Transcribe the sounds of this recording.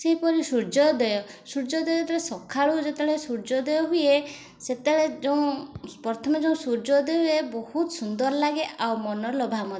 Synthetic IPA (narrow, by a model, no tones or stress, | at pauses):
seɦipɔɾisuɾd͡ʒɔd̪ɔjɔsuɾd͡ʒɔd̪ɔet̪ɔɾesɔkʰaɭud͡ʒet̪eɭesuɾd͡ʒɔd̪ɔjɔɦuje | set̪eɭed͡ʒɔũpɔɾt̪ʰɔmɔd͡ʒeũsuɾd͡ʒɔd̪eɦuebɔhut̪sund̪ɔɾlaɡeʔawmɔnɔlɔbʱamɔ